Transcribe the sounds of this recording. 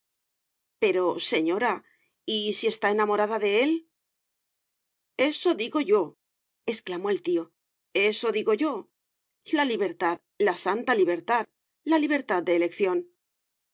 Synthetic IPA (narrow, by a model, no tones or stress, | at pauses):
pe̞ɾo̞se̞ɲo̞ɾa | isie̞st̪ae̞namo̞ɾaðaðe̞e̞l | e̞so̞ðiɣo̞ʝo̞ | e̞sklamo̞e̞lt̪io̞ | e̞so̞ðiɣo̞ʝo̞ | laliβe̞ɾt̪að | lasant̪aliβ̞e̞ɾt̪að | laliβ̞e̞ɾt̪að̚d̪e̞ːle̞kθjo̞n